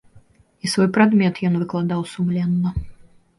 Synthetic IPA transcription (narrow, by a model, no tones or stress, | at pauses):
isvɔjpɾad̪mʲɛt̪jɔnvɨklˠad̪awsumlʲɛnːɐ